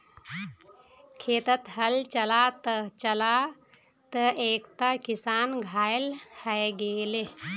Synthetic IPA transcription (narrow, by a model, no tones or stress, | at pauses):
kʰeːt̪ət̪ɦəlt͡ʃəlat̪ət͡ʃəla | t̪əeːkt̪akisaːnɡʱaːelhəjɡeːle